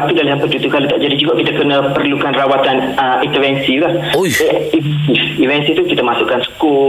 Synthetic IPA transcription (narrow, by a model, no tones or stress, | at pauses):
pidalaɦanpəd͡ʒut̪ukalat̪aʔd͡ʒadid͡ʒuɡaʔkit̪akənəpərlukanrawat̪anəint̪əvɛnsilah | i | siivɛnsit̪ukit̪əmasuʔkansə̥ku